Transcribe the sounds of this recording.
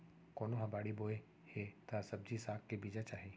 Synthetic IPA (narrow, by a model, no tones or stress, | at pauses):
koːnoɦɐbaːɽiboːe | het̪asɐb̚d͡ʒisaːkːebiːd͡ʒat͡ʃaːɦeː